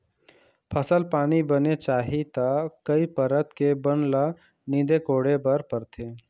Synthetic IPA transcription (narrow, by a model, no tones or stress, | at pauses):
pʰəsəlpaːnibənet͡ʃaːɦit̪akɐipɐɾət̪kebənla | nĩːd̪ekoːɽebɐɾpɐɾt̪ʰeː